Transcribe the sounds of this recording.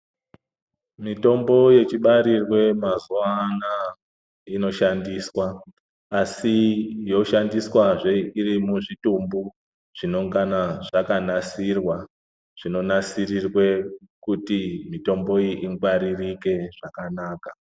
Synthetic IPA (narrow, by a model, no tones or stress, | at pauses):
mito̞mbo̞je̞t͡ʃiɓaɾirwe̞mazuana | ino̞ʃandiːswaː | sijo̞ʃandiswaʐeirimuʐitumbu | ʐ̥ino̞ŋɡanaʐakanasirwa | ʐ̥ino̞nasirirwe̞kutimito̞mbo̞iʔiŋɡwaɾirike̞ʐ̥akanaːka